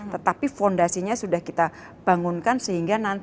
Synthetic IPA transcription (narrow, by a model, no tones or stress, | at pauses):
t̪ət̪apifɔndasiɲasudahkit̪a | b̥aŋunkansəɦiŋɡanan